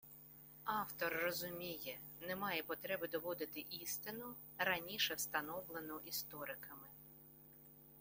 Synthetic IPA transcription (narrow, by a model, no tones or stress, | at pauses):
ɑwt̪ɔrːɔzʊmʲijɛ | nɛmɑjɛpɔt̪ɾɛbɪd̪ɔʋɔd̪ɪt̪ɪʔist̪ɪnʊ | ɾɐnʲiʃɛwst̪ɐnɔwlˠenɔʔist̪ɔɾɪkɐmɪ